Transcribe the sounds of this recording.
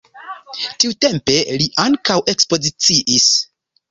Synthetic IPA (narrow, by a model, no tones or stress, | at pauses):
tiute̞mpe̞liʔaŋkawʔe̞kspo̞zit͡siʔis